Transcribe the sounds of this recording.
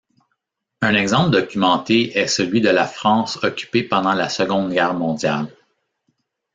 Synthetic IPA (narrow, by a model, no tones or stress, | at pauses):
ɛ̃nɛɡzɑ̃pd̪ɔkʲymɑ̃t̪eʔɛsəlɥid̪əlafʁɑ̃ːsɔkʲy̥pepɑ̃d̪ɑ̃lasəɡɔ̃d̪ɡʲɛːʁmɔ̃d̪ja̰l